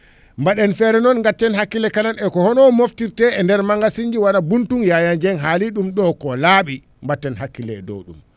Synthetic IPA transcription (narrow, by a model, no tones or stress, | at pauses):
mbaɗɛnfɛɾɛnɔnŋɡatːɛnhakːilɛkananɛkɔhɔnɔmoftiɾtɛɛndɛɾmaŋɡasiɲd͡ʒiwanabuntunjajaɲd͡ʒɛnɦaliɗumɗɔkɔlaːɓi | mbatːɛnɦakːilɛɛ̰dɔ̰wɗṵm